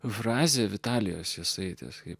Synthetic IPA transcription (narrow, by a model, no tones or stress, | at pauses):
fɾɑːzʲeʋʲɪt̪ɑːlʲɪjo̰ːsjɪsɐɪt̪ʲɛ̰skɐɪp